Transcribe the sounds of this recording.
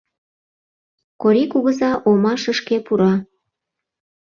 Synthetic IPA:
koɾikuɣəzɑʔomɑʃəʃkepuɾɑ

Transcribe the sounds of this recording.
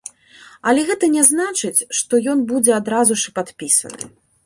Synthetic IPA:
ɐlʲɛɣɛt̪ɐnʲɛznat͡ʂɨt͡sʲʂt̪ɔjɔnbud͡zʲɛad̪ɾazuʂɨpat̪pʲisɐ̰nɨ̰

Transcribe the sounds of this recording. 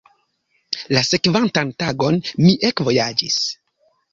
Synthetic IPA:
lase̞kvantantaɡo̞nmiʔekvo̞jad͡ʒis

